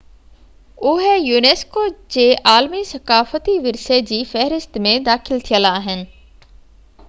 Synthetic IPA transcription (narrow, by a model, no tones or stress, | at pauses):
ʊɦejuːneːskod͡ʑeːʔaːlmisɐkaːfət̪iʋɪɾsed͡ʑiːfɛɦɾɪst̪mẽd̪aːxɪlt̪ʰijəlaːɦɪnɪ̆